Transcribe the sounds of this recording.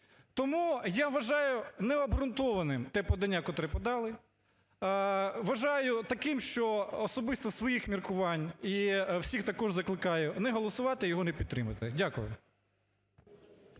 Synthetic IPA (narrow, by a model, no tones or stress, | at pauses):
t̪ɔmujaʋɐʒɑjʊnɛɐbɾʊnt̪ɔʋɐnɪmt̪ɛpɔd̪ɐnʲːakɔt̪ɾɛpɔd̪ɑlˠɪ | ʋɐʒɑjʊt̪ɐkɪmʃt͡ʃɔːsɔbɪst̪ɐsʋɔjixmʲirkʊʋɑnʲiwsʲixt̪ɐkɔʒzɐklˠɪkɑjʊnɛɦɔlˠɔsʊʋɑt̪ɪjɔɦɔnɛpʲid̪̚t̪ːɾɪmɐt̪ɪdʲakʊjʊ̰